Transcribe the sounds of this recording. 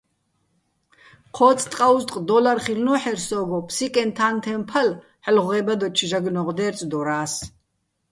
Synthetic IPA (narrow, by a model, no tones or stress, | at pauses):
qʰɔːt͡sʼt̪ʼqʼauzt̪ʼqʼd̪ɔlarχilnɔħɛɾsɔɡɔpʰsikʼɛnt̪ʰaːnt̪ʰɛmpʰal | ħlʁʁɛbad̪ɔt͡ʃʰʒaɡnɔʁd̪ɛːɾt͡sʼd̪ɔɾaːs